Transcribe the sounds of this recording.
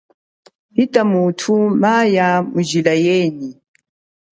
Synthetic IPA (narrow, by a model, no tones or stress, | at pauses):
hitamutʰumajamud͡ʒilajɛni